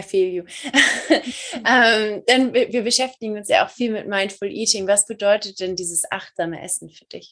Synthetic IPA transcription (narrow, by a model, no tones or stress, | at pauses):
ɐfeːljuː | ʔɛːmd̥anbviːɐbəʃɛftɪɡŋ̩ʊnsja̰ːʔa̰ʊxfiːlmɪtmaɪnfʊlʔiːtɪŋvasb̥ədɔʏtət̚d̥ɛndiːzəsʔa̰χtz̥aːmə̰ʔɛ̰sn̩fyːɐdɪç